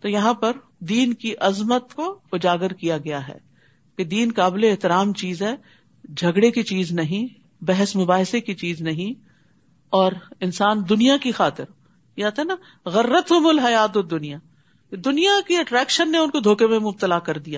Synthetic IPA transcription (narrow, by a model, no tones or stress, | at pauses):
t̪ojɐɦãpɐɾ | d̪iːnkiʔɐzmət̪koʊd͡ʒaːɡəɾkijaɡɐjaɦɛ̰ː | ked̪iːnkaːbɪleːɦt̪ɪɾaːmt͡ʃiːzɦɛː | d͡ʒʱɐɡɽekit͡ʃiːznɐɦĩ | bɛɦɛsmʊbaːɦɪsekit͡ʃiːznɐɦĩ | ɔːɾɪnsaːnd̪ʊnijakixaːt̪ɪɾ | jeaːt̪ɦɛna | ɣɐɾːət̪ɦʊmʊlɦɐjaːt̪od̪ʊnija | ked̪ʊnijakiɐʈɾɛːkʃənːeʊnkod̪ʱoːkemẽmʊb̚t̪əlakɐɾd̪ijaː